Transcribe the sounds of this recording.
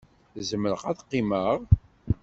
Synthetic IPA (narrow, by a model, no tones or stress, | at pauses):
zəməɾəqæðqːiməʁ